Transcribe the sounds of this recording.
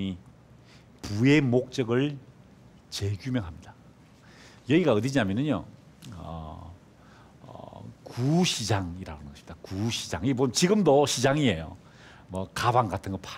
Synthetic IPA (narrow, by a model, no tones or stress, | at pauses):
i | pue̞mok̚t͡ɕ͈ʌɡɯɭ | t͡ɕe̞ɡjumjʌŋɦamɲid̥a | jʌiɡaɯdid͡ʑiamjʌnɯnjo̰ | ʌ̰ | kuɕʰid͡ʑaŋiɾa̰ɡonɡʌɕimid̥̪akuɕʰid͡ʑaŋip̬ot͡ɕiɡɯmdoɕʰid͡ʑaŋiejo̰ | mʌkabaŋɡatʰɯnɡʌpʰa